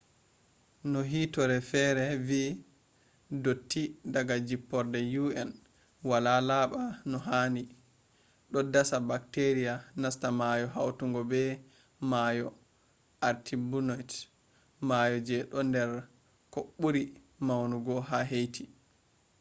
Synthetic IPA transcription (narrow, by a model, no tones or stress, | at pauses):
nɔɦitɔɾɛfɛɾɛvi | dotːidaɡad͡ʒipːɔɾdɛjuɛn | walalaɓanɔɦaːni | ɗɔdasabakteɾijanastamajɔɦawtuŋɡɔbɛ | majɔ | ʔaɾtʰibunɔjt | majɔd͡ʒɛɗɔndɛɾ | koɓːuɾi | mawnuɡɔɦaɦejtʰi